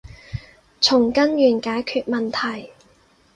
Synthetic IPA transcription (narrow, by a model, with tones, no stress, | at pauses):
t͡sʰʊ˨˩ŋkɐ˥njyː˨˩nkaː˨˥jkʰyː˧t̚mɐ˨nt̪ʰɐ˨˩j